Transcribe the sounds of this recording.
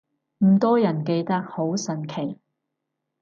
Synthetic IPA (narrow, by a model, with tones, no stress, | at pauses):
m̩˨˩t̪ɔː˥jɐ˨˩nke˧jt̪ɐ˥k̚ho˨˥wsɐ˨˩nkʰe˨˩j